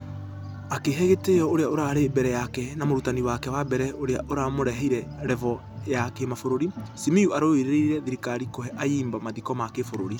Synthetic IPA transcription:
akeɦɛɣeteɔoɾeaoɾaɾebɛɾɛjakɛnamoɾutaniwakɛwabɛɾɛoɾeaʔoɾamoɾɛɦɛiɾɛɾɛvɔ | jakemafoɾoɾisimiuaɾoiɾeɾeɾɛðiɾikaɾikohɛʔaiːmbamaðikɔmakefoɾoɾi

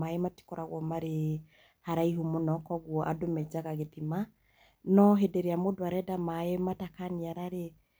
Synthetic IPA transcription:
aemati̥kɔɾaɣwɔmaɾe | haɾaiɦumonɔkɔɣwɔʔa̰domɛd͡ʒaɣaɣetima | nɔɦedeɾeamodoaɾɛdamaematakaniaɾaɾe

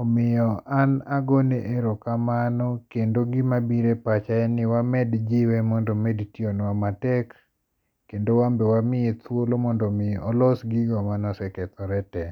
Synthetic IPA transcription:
ɔmɪjɔʔanaɡoneʔeɾokamanɔkendoɡɪmabiɾepat͡ʃaɛnɪwamɛdd͡ʒɪwɛmɔndɔmɛdtionwamatɛkː | endowambɛwamɪet̪wolomɔndɔmɪɔlɔsɡiɡɔmanɔsɛkɛt̪ɔɾɛtɛ

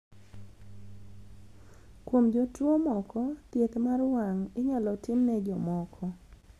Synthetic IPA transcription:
kwomd͡ʒotwomɔkɔtjet̪marwaŋɪɲalɔtɪmnɛd͡ʒɔmɔkʰɔ

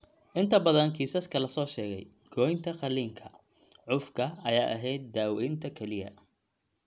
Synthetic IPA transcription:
ʔɪnt̪ʰɐbɐðɐnkʰiːsɐskʰɐlɐsɔːʃɛːɣɛ̰j | ɡ̥ɔːjnt̪ʰɐχɑliːŋkʰɐ | ʕʊfkʰɐɐja̰ːʔɐ̰ɦɛjd̪̚ːaːwɛjnt̪ʰɐkʰɛlɪjɐ̰

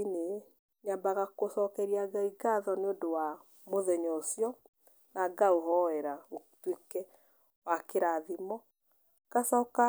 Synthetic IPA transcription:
ine | ɲambaɣakosɔkɛɾiaɡaiɡaðɔneodowa | moðɛɲɔosjɔ | naɡaoɦɔɛɾaotwekɛ | wakeɾaðimɔ | kasɔka

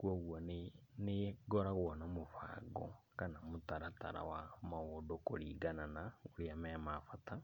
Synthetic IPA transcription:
kuɔɣwɔnneɡɔɾaɣwɔnamofa̰ɡɔ̰kanamotaɾata̰ɾa̰wamaodokoɾḭːɡananaoɾiamɛmafata

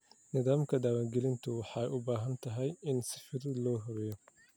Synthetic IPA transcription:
nɪðaːmkʰɐd̪aːwaːŋɡɛlɪnt̪ʰʊwɑħɑjʔʊbaːɦɐnt̪ʰɐɦɛjɪnsɪfɪɾɪd̪lɔːɦɔɾɛjɔ

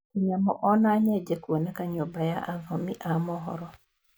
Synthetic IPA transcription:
kiɲamɔ̰ʔɔnaɲɛd͡ʒekwonɛkaɲobajaʔaɡɔmiʔamɔɦɔ̰ɾɔ

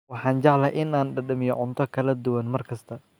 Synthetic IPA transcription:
wɑħɑːnt͡ʃɑʕlɐʔɪnaːnɖɐɖɐmɪjɔʕʊnt̪ʰɔkʰɐlɐd̪ʊwɐnmɐrkʰɐst̪ʰɐ

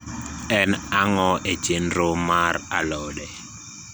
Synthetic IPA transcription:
ɛnaŋɔʔet͡ʃenɾomaɾalɔdɛ

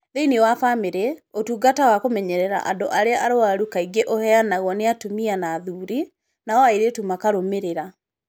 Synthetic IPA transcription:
ðeiniwafameɾɛotuːɡatawakomɛɲɛɾɛɾa̰ʔa̰doʔaɾeaʔaɾoaɾukaiɡeʔohɛanaɣwɔneatomianaðuːɾi | naɔaiɾetumakaɾomeɾeɾa

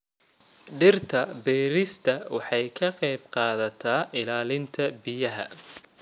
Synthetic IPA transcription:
ɖɪrt̪ʰɐbɛːɾɪst̪ʰɐwɑħɑjkʰɐqɑjbqɑːðɐt̪ʰaːʔɪlaːlɪnt̪ʰɐbɪjɐɦɐ̰

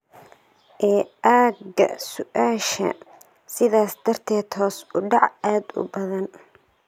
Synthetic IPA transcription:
ʔɛːʔaːɡɐ̰sʊʔaːʃɐ̰ | sɪðaːsd̪̥ɐrt̪ʰɛːt̪hɔːsʊɖɑʕaːd̪ʊ̰bɐðɐn

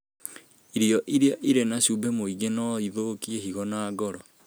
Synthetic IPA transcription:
iɾiɔʔiɾiaʔiɾenaɕubemoiɣenɔiðokiehiɣɔnaːɡɔɾɔ

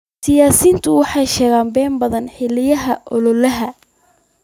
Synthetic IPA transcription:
sɪjaːsiːnt̪ʰʊwɑħɑjʃɛːɣaːmbɛːmbɐðɐnħɪlɪjɐɦɐʔɔlɔlɐɦɐ

